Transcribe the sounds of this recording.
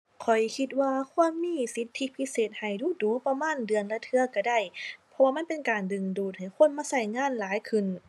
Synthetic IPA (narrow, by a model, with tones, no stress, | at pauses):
kʰɔ˨˩jkʰi˧t̪̚waː˧kʰu˧˥˨ənmiː˧˥˨si˧˦˥t̪ʰːi˧˥pʰi˧˥seː˨˩t̪̚ha˨˩jduː˧˩˦duː˨˦pa˧maː˧˥˨ndɯ˨˩ənlɛ˧t̪ʰɯ˧ɐka˧˩da˧˩jpʰɔ˧waː˧ma˧˥˨pe˨nkaː˨˩ndɯ˨˩ŋduː˨˩t̪̚ha˨˩jkʰo˧˥˨nmaː˧˥˨sa˧˥˩jŋaː˧˥˨nlaː˨˦jkʰɯ˧˩˨n